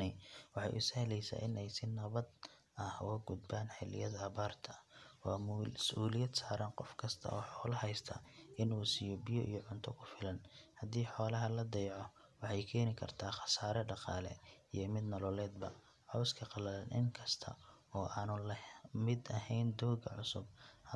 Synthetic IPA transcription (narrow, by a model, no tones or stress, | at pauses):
ɛjwɑħɑ̰jʔʊshɛlɛjsa̰ːʔɪnɛjsɪnɐβɐd̪ | ɐhwɐɡʊd̪baːnħɪlɪ̰jɐðɐːβaːrt̪ʰɐwɑːsʔuːlɪjɐd̪saːɾɐnqɔfkʰɐst̪ʰɐ̰ʔɔːħɔːlɐɦɛjst̪ʰɐ̰ɪnuːsiːjɔbɪjɔʔḭjɔʕʊnt̪ʰɔkʰʊfɪlɐnhɐd̪iːħɔːlɐɦɐlɐd̪ɛjʕɔ | wɑħɑjkʰɛːnɪkʰɐ̰rt̪ʰaːχɑ̥saːɾɛɖɑqɑ̰ːlɛ̰ijɔmɪd̪nɔlɔlɛːd̪̚bɐ̰ | ħɔwskʰɐqɑlɐðɐnʔɪ̰ŋkʰɐst̪ʰɐ̰ɔːʔaːnʊlɐmɪd̪ɐɦɛjnd̪ɔːɡɐ̰ʕʊsʊb̚h